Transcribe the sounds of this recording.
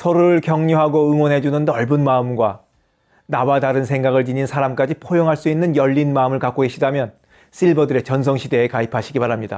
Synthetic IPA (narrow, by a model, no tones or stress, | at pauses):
sʰʌɾuɯɭkjʌŋɲoɦaɡoɯŋwʌnɦe̞d͡ʑunɯndʌɭbɯnmaɯmɡwa | nawadaɾɯnsʰe̞ŋɡaɡɯɭt͡ɕiɲinsʰaɾamk͈ad͡ʑipʰojoŋɦaɭs͈uinːɯnjʌʎːinmaɯmɯɭkak͈oɡeɕʰidamjʌn | s͈ʰiɭbʌdɯɾe̞t͡ɕʌnsʰʌŋɕʰide̞ːkaipʰaɕʰiɡipaɾɦamɲida̰